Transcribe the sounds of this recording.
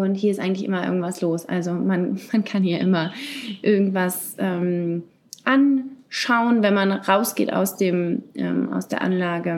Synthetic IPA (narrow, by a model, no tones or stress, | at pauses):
ʊnthiːɐɪstʔaɪŋ̩tlɪçʔɪmɐʔɪ̰ɐɡŋ̩tv̥asloːsʔa̰lzomanmankʰanhiːɐʔɪmɐʔɪɐɡŋ̩tv̥asʔɛːm | ʔanʃaʊənvɛnmanʁaʊsɡ̥ḛːta̰ʊsd̥eːmʔɛ̰ːmʔa̰ʊsd̥eːɐʔa̰nlaːɡə